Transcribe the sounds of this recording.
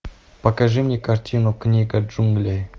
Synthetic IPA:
pɐkaʐɨmnʲekartʲʰinuknʲiɡad͡ʒuŋɡlʲe

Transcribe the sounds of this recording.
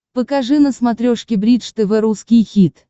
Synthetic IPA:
pəkaʐɨnəsmat̪ɾʲoʂkʲɪbɾʲit̪ʂt̪ɨvɛɾuskʲijxʲit̪

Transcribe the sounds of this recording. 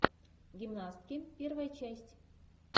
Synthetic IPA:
ɡʲimnast̪kʲimʲpʲervajt͡ɕæsʲtʲ

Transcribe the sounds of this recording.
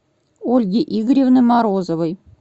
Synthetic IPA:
olʲɡʲeʔiɡɾʲevnəmɑɾozovəj

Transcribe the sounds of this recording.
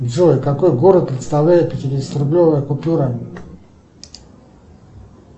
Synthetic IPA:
zoikakojɡoɾət̪̚pɾʲɪt̪st̪avlʲæjɪt̪̚pʲɪtʲɪɾʲɪst̪ɾʲɪblʲovəjəkʊpʲuɾə

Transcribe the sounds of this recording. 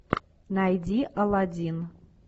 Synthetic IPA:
najdʲiʔaladʲin

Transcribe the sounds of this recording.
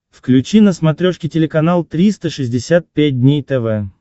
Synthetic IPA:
fklʲʉt͡ɕinəsmɐt̪ɾʲoʂkʲɪtʲɪlʲɪkɐnalˠt̪ɾʲist̪əʂɨzʲdʲɪsʲat̪̚pʲæt̚ʲdʲnʲejt̪ɛvɛ

